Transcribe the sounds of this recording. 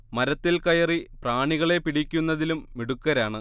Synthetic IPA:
mɐɾɐt̪ːilkɐjɐripraːɳiɣɐɭe̞piɽikʲːunːɐðilumːiɽukːɐɾaːɳɨ

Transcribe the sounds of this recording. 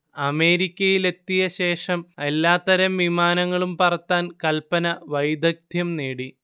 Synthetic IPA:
ɐme̞ːɾikʲːɐjile̞t̪ːijɐɕe̞ːʂɐme̞lːaːt̪ɐɾɐmʋimaːnɐŋːɐɭumpɐrɐt̪ːaːnkɐlpɐnɐʋɐjd̪ɐk̚d̪ʱjɐmneːɽi

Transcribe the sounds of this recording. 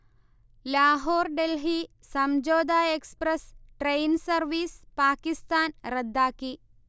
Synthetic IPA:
laːɦoːɾɖelɦi | sɐmd͡ʒoːd̪aːekspɾɐsʈɾejnsɐɾʋiːspaːkist̪aːnɾɐd̪ːaːki

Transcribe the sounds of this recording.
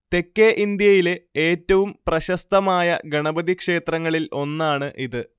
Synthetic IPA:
t̪e̞kːeʔind̪jɐjile̞eːtːɐʋumprɐɕɐst̪ɐmaːjɐ̰ɡɐɳɐbɐd̪ikʂe̞ːt̪rɐŋːɐɭilo̞nːaːɳɨʔiðɨ

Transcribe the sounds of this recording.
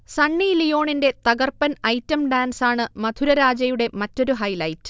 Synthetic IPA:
sɐɳːilijo̞ːɳinde̞t̪ɐɡɐrpɐnɐjtːɐmɖaːnsaːɳɨmɐd̪ʰʱuɾɐɾaːd͡ʑɐjuɽe̞mɐtːo̞ɾuɦɐjlɐjtːɨ̥

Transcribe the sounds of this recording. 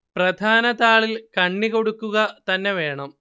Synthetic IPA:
prɐd̪ʱaːnɐt̪aːɭilkɐɳːiko̞ɽukːuɣɐt̪ɐnːe̞ʋe̞ːɳɐm

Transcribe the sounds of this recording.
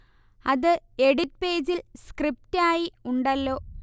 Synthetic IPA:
ɐðɨeɽit̚pe̞ːd͡ʑilskrip̚taːjiuɳɖɐlːo̞ː

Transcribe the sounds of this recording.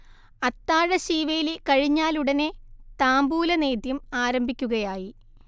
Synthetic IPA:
ɐt̪ːaːɻɐɕiːʋɐjilkɐɻiɲːaːluɽɐnet̪aːmbuːlɐne̞ːd̪jɐmaːɾɐmbʱikʲːuɣɐjaːji

